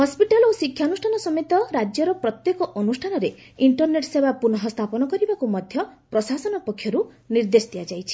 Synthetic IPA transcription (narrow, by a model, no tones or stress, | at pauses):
hɔspiʈalosikʰːjanusʈʰanɔsɔmet̪ɔɾad͡ʒjɔɾɔpɾɔt̪jekɔʔɔnusʈʰanɔɾeiɳʈɔɾneʈsebapunɔɦɔst̪ʰapɔnɔkɔɾibakumɔd̪ʱjɔpɾɔsasɔnɔpɔkʰːjɔɾu | niɾd̪esd̪iad͡ʒajt͡ʃʰi̥